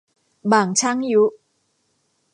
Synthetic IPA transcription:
baː˨˩ŋt͡ɕʰa˦˥˨ŋju˦˥

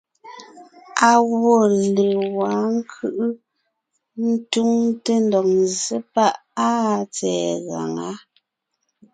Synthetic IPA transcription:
a˨ɣwɔ˦˨lə˨wa˨˦ŋ̩˦kʰɯ˦ʔɯ˦ | n̩˦tu˦ŋte˦ndɔ˨k̚nzə˦pa˦˨ʔ | a˦˨t͡sɛ̰ː˨ɣa̰˨ŋa̰˨˦

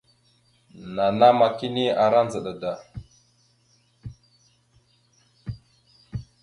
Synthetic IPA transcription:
na˨na˦ma˨ki˦ni˦a˨ɾa˦n˦d͡zə˨ɗa˨da˨

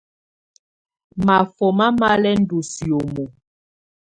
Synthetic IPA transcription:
ma˨fɔ˨ma˦ma˦lɛ˦n̩˦du˨si˨o˨mo˨

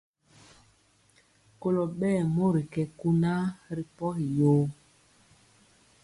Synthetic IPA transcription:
ko˦lo˨ɓɛː˦˨mo˦ɾi˨kɛ˨ku˦na˦ɾi˨pɔ˦hi˨joː˦

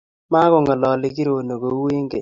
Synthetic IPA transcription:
ma˦kɔ˨ŋɔ˨lɔ˨lɪ˨ki˦ɾo˨no˨ko˨˦we˦ŋɡḛ˨

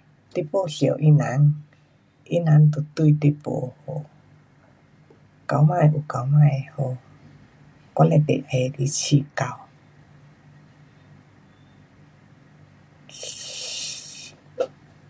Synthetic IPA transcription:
t̪e˧˦˨po˧˨ɬi˨ə˨wʔi˦nã˨˦ŋ | ʔi˦nã˨˦ŋt̪o˨˩t̪u˧˨t̪e˧po̰˧ho˧˨ | ka˧˦˨wmã˥˧˨jʔu˨˩ka˧˩˦wmã˥˧jho˧˨ | kwa˧˦lɛ˧t̪ḛ˨ʔhe˧˩di˧˦t͡ɕʰi˧˨ka˧˨w

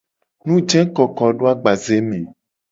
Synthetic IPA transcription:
nũ˦d͡ʒɛ̃˦kɔ˨kɔ˨ɖo˦a˦ɡ͡ba˨ze˦mẽ˨

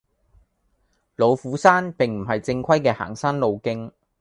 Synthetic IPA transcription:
lo˨˧wfuː˨˥saː˥npɪ˨ŋm̩˨˩ɦɐ˨jt͡sɪ˧ŋkʷʰɐ˥jkɛː˧ha̰ː˨˩ŋsaː˥nlo˧wkɪ˥ŋ

